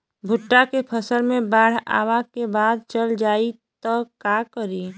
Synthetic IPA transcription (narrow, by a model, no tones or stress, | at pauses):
bʱʊʈːakepʰəsəɾmẽbaːɽ̤a̰ːʋakebaːd̪̚t͡ʃəld͡ʒaːit̪ɔkakəɾiː